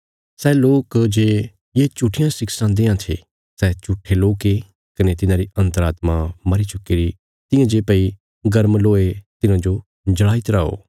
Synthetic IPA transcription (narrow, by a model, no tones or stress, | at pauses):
sɛloːkd͡ʒeː | jeːt͡ʃʊʈʰɪjãsɪksãd̪ɪjãt̪ʰḛ | sɛt͡ʃʊʈʰːeloːke | kɐnet̪ɪnãɾiʔɐ̃nt̪əɾaːt̪mãmɐɾit͡ʃʊkːeːɾi | t̪ɪ̃jãd͡ʒeːpɐi | ɡɐɾmloːet̪ɪnãd͡ʒo | d͡ʒɐɭaːit̪ɾaːo̰ː